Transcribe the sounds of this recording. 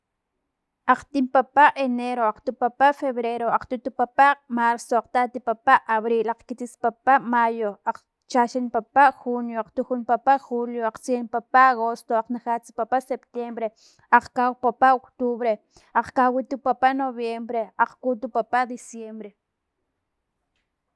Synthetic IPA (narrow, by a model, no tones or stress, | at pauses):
ʔaq͡χt̪impapaʔeneɾoaqt̪upapaʔfeβɾeɾoaqt̪ut̪upapaʔmaɾsoaqt̪at̪ipapaʔaβɾilaq͡χkit͡s̪ispapaʔmajoaq͡χ | t͡ʃaʃinpapaʔxunjoaqt̪uxunpapaʔxuljoaq͡χt͡sienpapaaɣost̪oaq͡χnaχat͡si̥papasept̪jembɾe | aq͡χkawpapaʔokt̪uβɾe | aq͡χkawit̪upapaʔnoβjembɾeaq͡χkut̪upapaʔd̪isjembɾe